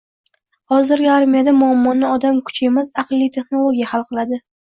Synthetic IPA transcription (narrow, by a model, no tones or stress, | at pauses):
hɒzɪɾɡʲɪaɾmijad̪amʊamːɒnɪɒd̪amkʰʊ̥t͡ʃʰemazaqlˠːijt̪ʰe̞χno̞lˠoɡʲijahalˠqɨlˠad̪ɪ